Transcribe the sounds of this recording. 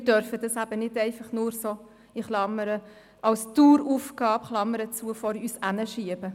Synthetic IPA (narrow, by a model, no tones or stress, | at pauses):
ɪdœɾfəd̥ɑsæb̥ənɪdɛɪfɑχnʊːɾso | iχlɑməɾə | ʔɑlstuːɾufɡɑːpχlɑmːəɾət͡suəfɔɾyːsænəʃiəb̥ə